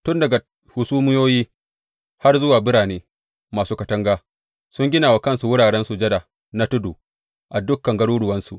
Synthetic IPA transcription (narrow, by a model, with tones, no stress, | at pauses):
tʊ˦ndɐ˨ɡa˨ | hʊ˨suː˦mɪ˦joː˦jiː˦ | ha˦rzʊ˦waː˨bɪ˦ɽaː˨neː˦ | maː˨suː˦kɐ˨tɐ˦ŋɡaː˦ | sʊ˦ŋɡʲɪ˦naː˨wa˨kɐ˦nsu˨wʊ˦ɽaː˨ɽɛ˦nsu˨d͡ʒɐ˦da˨ | na˦tʊ˦duː˨ | ʔa˨dʊ˦kːɐ˨ŋɡɐ˦ɽuː˦ɽʊ˨wɐ˦nsu˨ʔ